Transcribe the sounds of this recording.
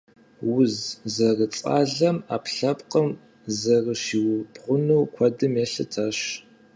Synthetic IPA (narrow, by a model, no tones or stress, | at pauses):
wʊzzɐrət͡sʼa̰ːɮɐmaːpɬɐpqɐm | zɐrəʃiːwʊbʁʷʊnuwkʷʰɔdɨmjeɬɨtʰaɕ